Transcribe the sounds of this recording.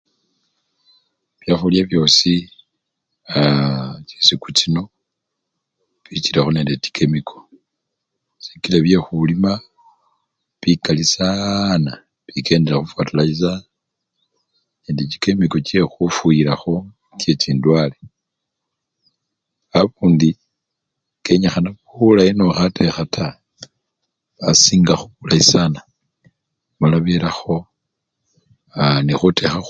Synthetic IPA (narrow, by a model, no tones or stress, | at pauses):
βjaxuljaβjo̞ːsi | acisikut͡ʃino̞ | βiciɾexo̞nendeti̥kʰemikʰo̞̥ | si̥kileβje̞xulima | βikalisana | βike̞ːndeɾaxufatulaiza | indit͡ʃi̥kemikot͡ʃe̞xufuiɾaxo̞ | t͡ʃe̞t͡ʃiːndwale | aβuːndi | ke̞ɲaxanaβulainoxatʰexatʰa | βasiːŋɡaxuβulaisana | malaβelaxo̞ | anixutʰe̞xa